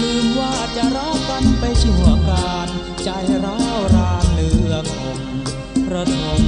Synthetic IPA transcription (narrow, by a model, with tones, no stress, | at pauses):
lɯː˧mwaː˧˥˩t͡ɕa˧˩ʔɾa˦˥˩wka˧npa˧jsʰu˩˦akaː˧n | t͡ɕa˧jɾa˥wɾaː˧nːɯː˧ɐkʰɔː˩˦ŋ | pɾa˧t̪ʰo˧˩ŋ